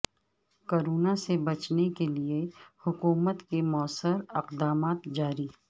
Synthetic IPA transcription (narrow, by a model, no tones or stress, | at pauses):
koːɾoːnasebɐt͡ʃnekeliehʊkuːmət̪kemɔːsəɾɪqd̪aːmaːt̪d͡ʒaːɾiː